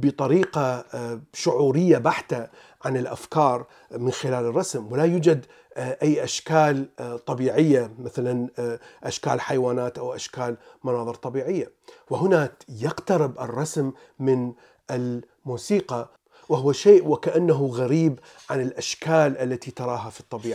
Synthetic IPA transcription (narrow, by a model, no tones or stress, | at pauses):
bɨt̪ˤɑɾiːqɑ | ʃʊʕuːɾɪjːabaħt̪a | ʕanɪlʔa̰fkɑːɾˤ | mɪnxɪlaːlɪrˤːɑsmwɪlajuːd͡ʒad̪ | ʔajːʔaʃkaːlt̪ˤɑbiːʕɪjːamɪθalanʔaʃka̰ːlħajwaːnaːt̪ʔawʔaʃkaːlmanɑːðˤɨɾt̪ˤɑbiːʕɪjːa | wɪhʊnaːkjɪqt̪aɾɪbʔɪ̰rˤːɑsmː | ɪn | ʔɪl | muːsiːqɑ | waɦʊwaʃeːʔwɪkaʔanːaɦʊɣaɾiːb | ʕanɪlʔaʃkaːlʔalːat̪it̪ɑɾˤɑːɦafit̪ˤːɑbiːʕi